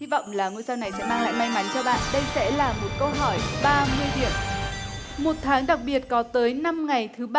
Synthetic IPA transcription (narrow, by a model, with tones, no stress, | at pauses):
hi˧vɔ̰˧˨wŋ͡mlaː˨˩ŋu˧əjsaː˧wna˨˩jsɛ̰˧˥maː˧ŋla̰ː˧˨jma˧jma˨˦nt͡ɕɔ˧ɓa̰ː˧˨nɗə˧jsɛ̰˧˥laː˨˩mo˨˩t̚kə˧wɦɔ˧˩jɓaː˧mɨ˧əjɗḭ˧˨əw | mo˨˩t̚t̪ʰaː˨˦ŋɗa˨˩k̚ɓi˨˩ət̚kɔ˨˦t̪əː˨˦jna˧mŋa˨˩jt̪ʰɨ˨˦ɓ